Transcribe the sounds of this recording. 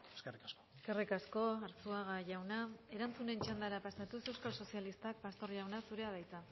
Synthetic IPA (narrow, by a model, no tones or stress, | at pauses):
eskerikaskoeskarikasko̞aɾt͡suaɣaʝawnae̞ɾant͡sune̞nt͡ʃand̪aɾapasat̪use̞wskalso̞sialist̪ak̚past̪o̞ɾʝawnasuɾe̞aβajt͡s̪a